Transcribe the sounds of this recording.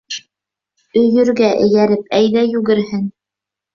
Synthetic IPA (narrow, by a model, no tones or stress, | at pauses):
ɵ̆jɵ̆ɾɡæʔɘ̰̆jæɾɘpæjðæjʉɡɘ̆ɾhɘn